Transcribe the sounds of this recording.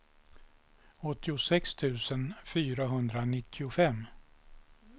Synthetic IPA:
ɔt̪ːɪʊsɛkst̪ʰʉ̟ːsənfyːɾaɦɵnd̪ɾanɪt̪ʰːɪʊfɛmː

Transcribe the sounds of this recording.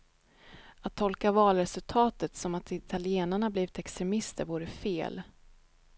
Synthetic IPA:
at̪ʰːɔlkavɑːlɾɛsɵlt̪ʰɑːt̪ət̪sɔmat̪ɪt̪ʰalɪeːnaɳabliːvɪt̪ɛkst̪ɾɛmɪst̪ʰə̰ɾvuːɾəfḛːl

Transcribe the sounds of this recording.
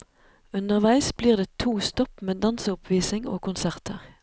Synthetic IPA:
ʉnəʁʋæɪsbliːʁd̪eːt̪ʰuːst̪ɔpmeːd̪ɑnsəʊpʰʋiːsɪŋo̰ːkʊnsæʁt̪ʰəʁ

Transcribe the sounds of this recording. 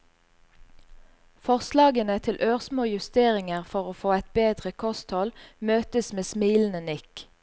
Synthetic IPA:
fɔʁslɑːɡənət̪ʰɪlʔøːʁsmoːjʉst̪eːʁɪŋəʁfɔʁoːfoːɛt̪̚beːd̪ʁəkʰɔst̪hɔlmøːt̪əsmeːsmiːln̩ənɪk

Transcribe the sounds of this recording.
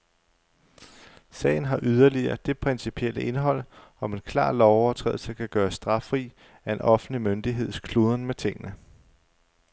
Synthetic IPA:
sɛ̰ːɪn̩ɦɑ̈ʔyð̞ˠɐliɐːd̥e̝pʰʁɛnsipʰiel̰əʔe̝nɦɒ̽l̰ɒ̽me̝nkʰlɑ̰̈ːlɒʊɐt͡sʰʁɛ̰ːðˠl̩səkʰæɡ̥ɶːɐsd̥ʁɑ̈fʁḭː | æe̝nʔɒ̽fn̩limønd̥iɦe̝ð̞̰ˠskʰluːð̞ˠɐnmet͡sʰe̝ŋ̰ənə

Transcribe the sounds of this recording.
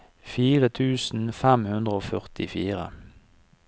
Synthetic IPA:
fiːʁət̪ʰʉːsn̩fɛmhʉnd̪ʁəoːfœʁt̪ɪfiːʁə̰

